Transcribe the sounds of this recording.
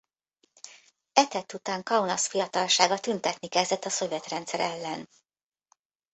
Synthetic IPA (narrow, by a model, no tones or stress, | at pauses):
ɛt̪ɛt̪ːut̪aːŋkɒunɒsfijɒt̪ɒlʃaːɡɒt̪ynt̪ɛt̪nikɛzd̪ɛt̪ːɒso̞vjɛt̪rɛnt̪sɛɾɛlːɛn